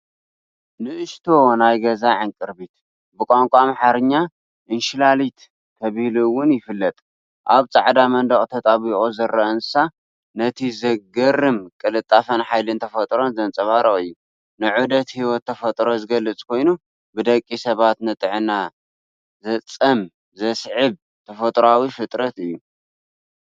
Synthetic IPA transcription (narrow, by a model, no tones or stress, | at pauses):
nɨʔɨʃt̪ʰo̞najɡɐzaʕaŋkʼɨɾbit̪ | bɨkʼaŋkʷʼamħaɾɨɲːa | ʔɨnʃɪlalit̪ | kʰɐβɨhluwʊnjɪfɨlːɐt̪ʼ | ʔaβt͡sʼa̰ʕd̪amɐnd̪ɐχʼt̪ʰɐt̪ʼaβiχʼozɐrɐʔɐnsa | nɐt̪ʰizɐɡɐrːɨmkʼɨlɨt̪ʼːafɐnħajlɨnt̪ʰɐfɐt̪ʼɾo̞nzɐnt͡sʼɐβaɾoɨjːu | nɨʕud̪ɐt̪hiwɔt̪ʰːɐfɐt̪ʼɾo̞zɨɡɐlɨt͡sʼkʰo̞jnu | bɨd̪ɐkʼːisɐβat̪nɐt̪ʼɨʕɨna | zɐt͡sʼɐm | zɐsʕɨβ | t̪ʰɐfɐt̪ʼɾawifɨt̪ʼɾɐt̪ɨjːu